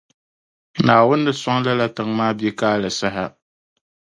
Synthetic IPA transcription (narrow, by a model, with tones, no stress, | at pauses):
naː˨wʊ˦nːɨ˦sa˦ŋ˦la˦la˦tɨ˨ŋ˦maː˦be˦kaː˦lɨ˨sa˦ɦa˦